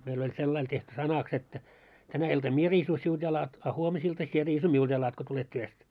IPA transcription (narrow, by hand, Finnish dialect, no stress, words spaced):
meil olʲ selːɑil tehty sɑnɑks etːæ tænæ iltɑm mie riːsu siuld̥ jɑlɑt ɑ huomisiltɑ sie riːsu miuld̥ jɑlɑt ko tulet tyøst